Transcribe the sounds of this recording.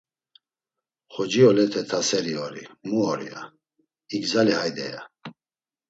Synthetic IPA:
χɔd͡ʒiɔlɛt̪ʰɛt̪ʰasɛɾiɔɾimuɔɾḭa̰ | iɡzalihajd̪ɛ̰ja̰

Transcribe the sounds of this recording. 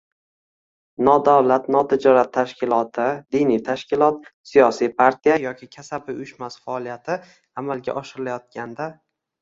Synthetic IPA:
nɒd̪awlat̪nɒt̪ʰɪd͡ʒɒɾat̪ʰːaʃkʲʰɪlˠɒt̪ʰɪd̪inijt̪ʰaʃkʲɪlˠɒt̪sijɒsijpʰaɾt̪ʰijajɒkʲʰɪkʲʰasabɪʊjɪʃmasfaɒlˠijat̪ʰɪ | amalɡʲa̰ʔɒʃɪɾɪlajɒt̪̚kʲand̪a

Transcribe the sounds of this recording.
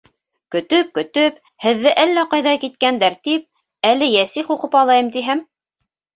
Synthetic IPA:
kɵ̆t̪ɵp̚kɵ̆t̪ɵp | hɘ̆ðːɘʔælːæqɑjðɑkit̪̚kænd̪æɾt̪ip̚ | ælɘjæsiχuqɤpɑlˠɑjɤmt̪iɦæm

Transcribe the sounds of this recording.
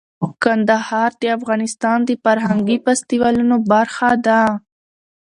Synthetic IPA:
kand̪ahɑɾd̪eafɣɑnɪst̪ɑnd̪əfaɾɦaŋɡipast̪iwɑlunobaɾxad̪a

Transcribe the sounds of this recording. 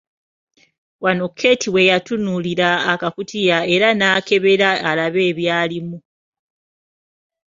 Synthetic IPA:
wano̞kʰːe̞ːtʰiwe̞jatunuliɾaːkakutijae̞ɾanaːke̞βe̞ɾaːlaβe̞ːβjaːlimu

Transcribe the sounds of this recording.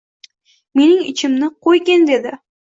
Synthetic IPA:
me̞nɪŋɪ̰t͡ʃʰɪmnɪqʰojɡʲend̪e̞d̪ɪ

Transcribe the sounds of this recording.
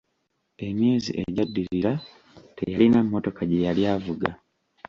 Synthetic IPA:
e̞mje̞ːzḭʔeɟadːiɾiɾa | te̞̰jalinamːo̞to̞kaɟejaljaːvuɡa̰

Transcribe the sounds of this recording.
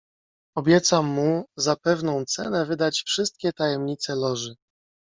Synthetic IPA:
ɔbʲjɛt̪samːuzapɛvnɔ̃w̃t̪sɛ̰nɛvɘd̪at͡ɕfʂɘst̪̚kʲɛt̪ajɛmɲit̪sɛlɔʐɘ

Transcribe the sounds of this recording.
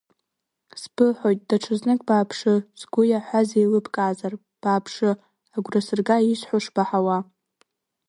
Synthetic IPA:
sb̥ɨħʷojtʼdaʈ͡ʂʰɨznɨkʼbaːpʰʂɨzɡʷʊjaħʷazejlɨpʰkʼaːzar | b̥aːpʰʂɨ | aɡʷrasɨrɡaiʃħʷoʂb̥aħawa

